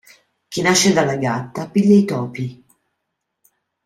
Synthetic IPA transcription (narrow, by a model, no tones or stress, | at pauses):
k̟inaʃːed̪alːaɡat̪ːapiʎːait̪ɔːpi